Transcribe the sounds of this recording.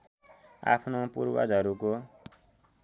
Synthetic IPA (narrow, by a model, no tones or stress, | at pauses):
a̰pʰnopṵɾwa̰d͡zʌɾuko